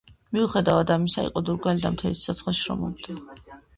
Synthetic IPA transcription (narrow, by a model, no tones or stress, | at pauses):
miuχɛd̪avad̪amisaḭqʼɔd̪uɾɡalid̪amt̪ʰɛlissat̪sʰʼχɛsʃɾɔ̰mɔbd̪a